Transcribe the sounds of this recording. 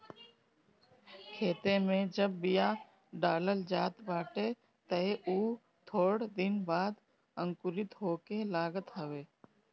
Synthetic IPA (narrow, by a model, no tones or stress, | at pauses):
kʰeːt̪emẽd͡ʒəbːɪja | ɖaːləld͡ʒaːt̪baːʈe | t̪əeʔuː | t̪ʰoːɽd̪ɪnbaːd̪ | ə̃ŋkʊɾɪt̪ɦoːkelaːɡət̪ɦəʋeː